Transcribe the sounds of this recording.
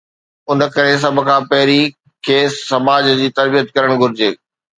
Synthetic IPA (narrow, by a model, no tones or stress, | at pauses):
ʊnə̆kɐɾes̬ɐbʱkʰãːpɐɦɪɾi | kʰeːssːɐmaːd͡ʑd͡ʑiːt̪ɐɾbijət̪kɐɾəɽ̃ɡʱʊɾɪd͡ʑeː